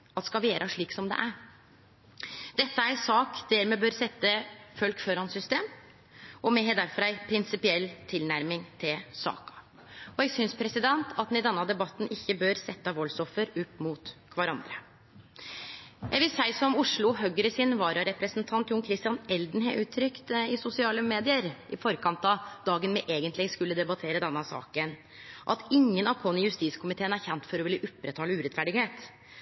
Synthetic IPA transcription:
ɑt̪skɑʋeːɾʔɑʂɭiːksɔmd̪ɛ̰ʔæɾ | d̪̥ɛt̪ːəæɾsɑːkd̪̥æːɾmɛːbøːɾsɛt̪ːəfœlkføɾɑnsʏst̪eːm | ɔmɛɦɛd̪æɾfɔɾæɪpʰɾɪnsɪpɪɛlːt̪ʰɪlnæɾmɪŋt̪ʰɪlsɑ̰ːkɑ̥ | ɔɛɡsʏnspʰɾɛsɪd̪ɛnt̪ʰɑt̪nɪd̪ɛnːɑd̪ɛbɑt̪ːn̩ʔɪçːəbøːɾsɛt̪ːɑʋɔlsɔfəɾʉpːmuːt̪kʰʋɑɾɑnd̪ɾə | jʔæɡʋɪlsæɪsɔmʊʂɭʊɦœɡəɾəsɪnʋɑːɾɑɾɛpɾəsnt̪ʰɑnt̪jʊːŋkʰɾɪst̪ɪjɑnɛld̪n̩ɦɛʔʉːt̪ʰːɾʏkt̪ɪsʊsɪɑːləmeːd̪ɪəɾʔɪfɔɾkʰɑnt̪ɑd̪ɑːɡənmɛʔeːɡənt̪lɪskʉlːəd̪ɛbɑt̪ʰeːɾəd̪ɛnːɑsɑ̰ːkən | ʔɑ̰t̪ɪŋːənɑʋkʰɔnəjʉst̪iːskʰʊmɪt̪ʰeːənæɾçɛnt̪fɔɾɔʋɪlːəʔʊpːɾət̪ʰɑːləʉːɾɛt̪fæɖɪɡheːt̪

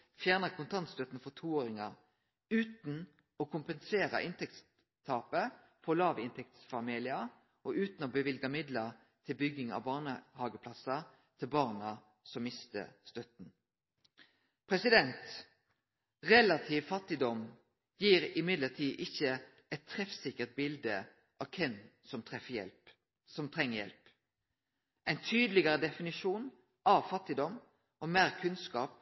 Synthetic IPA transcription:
fjæːʁnəkʰʊnt̪ʰɑnt̪st̪œt̪n̩fɔʁt̪ʰuːoːɾɪŋɑ | ʉːt̪n̩ | ɔkʰʊmpənseːʁɑ̰ʔɪnt̪ʰɛk̚t̪s | t̪ʰːɑːpə | fɔlɑːʋɪnt̪ʰɛk̚t̪sfɑmiːlɪɑ | ɔʔʉːt̪n̩ɔbəʋɪlɡɑmɪd̪ləʁ | t̪ʰɪlbʏɡɪŋɑ̰ʋbɑːʁnəhɑːɡəpʰlɑsɑ | t̪ʰɪlbɑːʁnɑ | sɔmmɪst̪ə̰st̪œt̪n̩ | pʰʁɛsɪd̪ɛnt̪ | ʁɛlɑt̪ʰiːʋfɑt̪ːɪd̪ɔm | jiːʁɪmɪd̪ləʁt̪ʰiːʔɪçə | ɛt̪ʰːɾɛfsɪkːəʁt̪̚bɪld̪ə | ʔɑʋkʰɛnsɔmt̪ʰʁɛfəjɛ̰lp | sɔmt̪ʰʁɛŋːəjɛ̰lp | ʔæɪnt̪ʰyːd̪əlɪɡəʁəd̪ɛfɪnɪʃuːn | ʔɑʋfɑt̪ːɪd̪ɔm | ʔɔmeːʁkʰʉnskɑːp̚

